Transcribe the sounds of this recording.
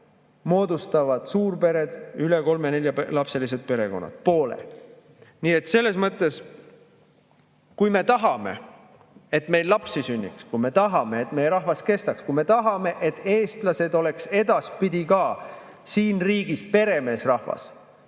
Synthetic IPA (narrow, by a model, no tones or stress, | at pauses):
mo̞ːd̪ust̪ɑvɑd̪̥suːrpe̞ɾe̞d̪̥yleko̞lmene̞lʲjɑpelɑpse̞lis̬ed̪̥̚pe̞ɾe̞ko̞̰nːɑ̰t̪po̞ːlḛ | niːe̞t̪ˑse̞lːe̞smɤt̪ːˑe̞s | kujme̞t̪ɑɦɑme̞̰ | e̞t̪ːˑme̞jllɑpsisynʲːikskujme̞t̪ɑɦɑme̞et̪ːme̞jeɾɑhvɑske̞st̪ɑkskujme̞t̪ɑɦɑme̞ʔet̪ːˑe̞ːst̪lɑse̞d̪̥o̞le̞kse̞d̪ɑspid̪ikɑː | siːnriːɡ̥ispe̞ɾe̞me̞ːsrɑhvɑ̰s